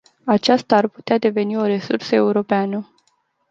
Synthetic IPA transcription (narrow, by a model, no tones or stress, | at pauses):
at͡ʃast̪aːrpu̥t̪ead̪e̞ve̞nio̞ɾe̞sursəe̞uɾo̞peanə